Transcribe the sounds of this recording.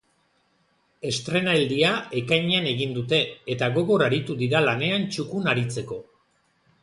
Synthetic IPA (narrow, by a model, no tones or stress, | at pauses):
e̞st̪ɾe̞naeld̪iaekajɲane̞ɣind̪ut̪e̞ːt̪aɣo̞ɣo̞raɾit̪uðiɾalane̞ant͡ʃukunaɾit͡se̞ko̞